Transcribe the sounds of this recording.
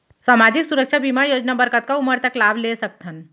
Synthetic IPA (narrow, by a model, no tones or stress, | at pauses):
saːmaːd͡ʒɪksuɾəkʃʰabimajoːd͡ʒnabəɾkət̪̚kauməɾt̪əklaːblesək̚t̪ʰən